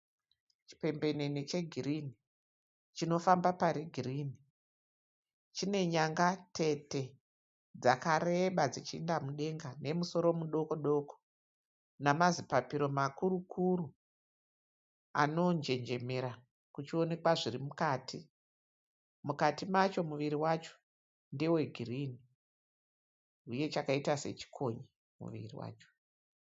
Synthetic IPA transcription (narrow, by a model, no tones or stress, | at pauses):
t͡ʃi̥pe̞mbe̞nenit͡ʃe̞ɡʱirini | t͡ʃino̞fambapaɾiɡʱiriːni | t͡ʃine̞ɲaŋɡatʰe̞te̞ | d͡zakaɾeɓad͡zit͡ʃiindamuɗe̞ŋɡane̞muso̞ɾo̞muɗo̞ko̞ɗo̞ko̥ | namazipapiɾo̞makuɾukʰuru | a̰no̞nd͡ʒe̞ɲd͡ʒe̞me̞ɾa | kut͡ʃio̞ne̞kwaʐirimukaːtʰi | mukatimat͡ʃo̞muʋiɾiwat͡ʃo̥ | ndewe̞ɡʱirini | uje̞t͡ʃakaitase̞̰t͡ʃi̥kʰo̞ɲi | mṵʋḭrḭwa̰ːt͡ʃo̥